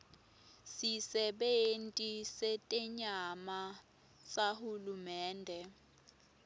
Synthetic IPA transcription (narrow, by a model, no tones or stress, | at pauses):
sisɛɓentʼisetʼɛɲama | sahulumɛːndʱɛ